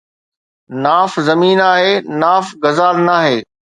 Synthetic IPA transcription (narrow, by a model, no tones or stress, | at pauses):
naːfzɐmiːnaːɦeːnaːfɡɐzaːlnaːɦeː